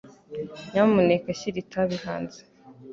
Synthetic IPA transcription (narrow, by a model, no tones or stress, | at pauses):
ɲamunekaɕiɾitʰaβiha̰ːnze̥